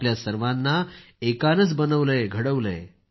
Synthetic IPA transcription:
pljasəɾʋãnːa | ekanət͡sbənəʋleɡʱəɽəʋlḛ

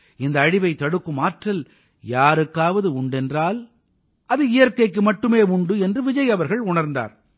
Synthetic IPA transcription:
ɪnd̪ɐːɽɪʋɐɪt̪ːɐɽɯkːɯmaːʈrɐl | jaːɾɯkːaːʋɐðɯʊɳɖɛndraːl | ʔɐðɯɪjɐɾkɐɪkːɯmɐʈːɯmeːʊɳɖɯɛndrɯʋɪd͡ʒɐjɐʋɐɾɣɐɭʊɳɐɾnd̪a̰ːɾ

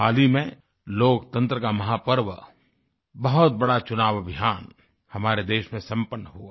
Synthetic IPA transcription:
aːlimẽ | loːkt̪ə̃nt̪ɾəkamɐɦaːpəɾʋə | bɐɦʊt̪̚bɐɽat͡ʃʊnaːʋəbʱijaːn | hɐmaːɾed̪eːʃmẽsɐ̃mpənːəɦuaː

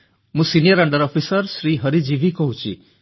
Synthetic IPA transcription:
mũsinijəɾaɳɖəɾɔpʰisəɾsɾiɦʌɾid͡ʒibikɔɦũt͡ʃʰḭ

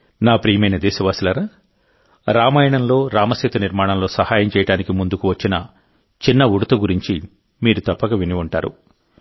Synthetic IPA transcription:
naːpɾiːmɐjnɐd̪ɛːsɐʋaːsilɐɾaː | ɾaːmɐjɐɳɐmlo̞ːɾaːmɐseːt̪uniɾmaːɳɐmloːsɐhaːjɐmt͡ʃɛːjɐɽaːnikimund̪ukuʋɐt͡ʃːinɐ | t͡ʃinːɐʋuɽut̪ɐɡuɾiɲt͡ʃi | miːɾut̪ɐpːɐɡɐʋiniuɳʈaːɾṵ

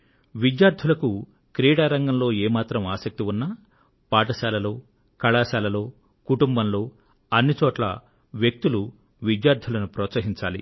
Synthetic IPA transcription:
ʋid̪jaːɾd̪ʱulɐku | kɾiːɽaːɾɐŋɡɐmlo̞ːeːmaːt̪ɾɐmaːsɐk̚t̪iunːɐ | paːʈɐʃaːlɐlo̞ː | kɐɭaːʃaːlɐlo̞ː | kuʈumbɐmlo̞ː | ɐnːit͡ʃɔːʈlɐ̰ | ʋjek̚t̪ulu | ʋid̪jaːɾd̪ʱulɐnupɾɔːt̪sɐɦiɲt͡ʃa̰ːlḭ

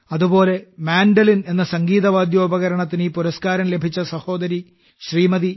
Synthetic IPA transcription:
ɐðubo̞ːle̞maːnɖɐline̞nːɐsɐŋɡiːðɐʋaːd̪jo̞ːbɐɣɐɾɐɳɐt̪̬ːinipuɾɐskaːɾɐmle̞bʱit͡ɕːɐsɐho̞ːd̪ɐɾi | ɕriːmɐði

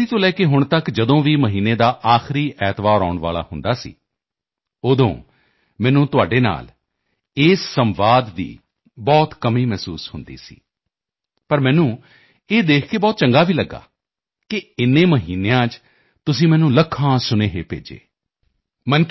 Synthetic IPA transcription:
iːt̪õːlɛːkeɦʊɳ̃t̪əkd͡ʒəd̪õːʋiːməɦiːneːd̪aːʔaːxɪɾiːʔɛːt̪ʋaːɾɔ̰ːʊɳʋa̰ːla̰ːhʊnd̪aːsḭː | od̪õ̰ː | mɛ̃ːnũːt̪ʊaːɖeːna̰ːl | ɪːsːəmʋaːd̪ːḭː | bɔːt̪kəmiːmɛːsuːshʊnd̪ḭːsḭː | pəɾmɛ̃ːnũː | eːd̪eːkʰkeːbɔːt̪̚t͡ʃəŋɡaːʋiːləɡːa̰ː | kɪɪnːẽːməɦiːnejãːt͡ʃ | t̪ʊsĩːmɛːnũːləkʰːãːsʊneːɦeːpḛːd͡ʒḛː | mən

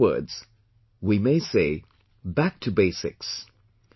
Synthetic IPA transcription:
ɜ̰˞dz̥ | wimeɪseɪ | bæk̚tʰɨbeɪsɪ̰ks

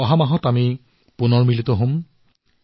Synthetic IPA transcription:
ɔɦamaɦɔtami | punɔɹmilitɔɦʊ̃m

